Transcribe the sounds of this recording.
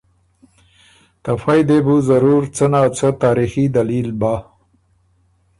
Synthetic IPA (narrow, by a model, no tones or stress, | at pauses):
t̪ɐfajd̪ebuzɐɾuːɾt͡sənaːt͡sət̪aːɾixid̪ɐliːlbaː